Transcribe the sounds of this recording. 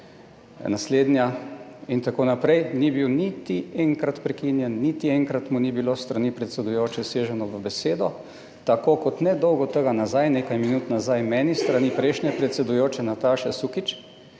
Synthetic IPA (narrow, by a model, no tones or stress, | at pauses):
nasleːd̪njaint̪akoːnapɾɛjnibiwnit̪iɛŋkɾat̪pɾɛkinjɛnːit̪iɛŋkɾat̪munibilost̪ɾanipɾɛt̪sɛd̪ujoːt͡ʃɛseːʒɛnɔʋəbɛseːd̪ɔ | t̪akoːkɔt̪nɛd̪ɔwɡɔt̪əɡanazajneːkajminuːt̪nazajmɛːnist̪ɾanipɾɛjʃnʲɛpɾɛt̪sɛd̪ujoːt͡ʃɛnat̪aʃɛsukit͡ʃ